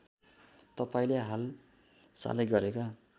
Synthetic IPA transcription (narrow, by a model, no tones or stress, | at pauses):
t̪ʌpaĩleɦal | sa̰leɡʌɾeka